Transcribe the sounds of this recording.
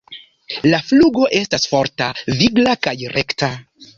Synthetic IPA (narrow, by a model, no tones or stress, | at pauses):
lafluɡo̞ʔe̞stasfo̞ɾtaviɡlakajɾekta